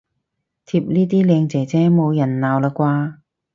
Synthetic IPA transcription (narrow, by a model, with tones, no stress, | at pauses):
t̪ʰiː˧p̚niː˥t̪iː˥lɛː˨˧ŋt͡sɛː˨˩t͡sɛː˧˥mo˨˧wjɐ˨˩nlaː˨˧wlaː˧kʷwaː˧